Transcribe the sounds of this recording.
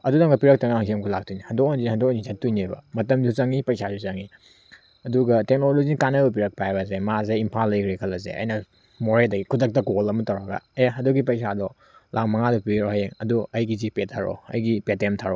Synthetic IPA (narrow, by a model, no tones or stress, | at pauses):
ɐdudɐŋɡɐpiɾɐk̚tɐŋaŋsʰiemkʰulak̚tʰujnihɐndokanzihɐndɔknzizɐtːujniejbɐ̰mɐtɐmdut͡ʃɐŋipɐjsasut͡ʃɐŋi | ɐduɡɐtek̚nolozinɐkanɐbɐp̬iɾɐk̚pajbɐzemazeimpʰalːɐjkʰɾekʰɐlːɐsḛɐ̰jnɐ | moɾeldɐɡikʰudɐk̚tɐkolɐmɐtɐwɾɐɡa̰eɦɐduɡipɐjsadɔ | lʔakmɐŋadɔpiɾohajeŋɐduɐjɡizipetʰːaɾo̰ɐ̰jɡipetemtʰaɾo